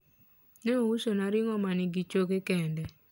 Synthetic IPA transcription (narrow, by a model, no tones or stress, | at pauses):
nɛowuʃonaɾɪŋɔmanɪɡit͡ʃokekɛndɛ